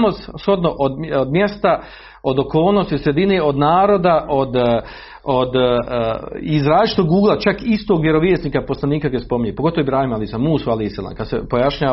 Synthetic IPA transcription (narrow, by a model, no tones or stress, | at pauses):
mossxo̞d̪noʔod̪od̪mjest̪a | o̞d̪oko̞ːlˠnost̪isɾed̪ineːo̞d̪naːɾo̞d̪aʔod̪ | od̪ | izɾaːlt͡ʃi̥t̪oɡuːɡlˠat͡ʃakist̪oːɡʋjeɾo̞ʋjeːsniːkapo̞slˠaniːkaɡojespomiɲepo̞ɡo̞t̪oʋoibɾaːhimaliːsamuːsualehisalˠa̰ːmkad̪sepojaʃɲaː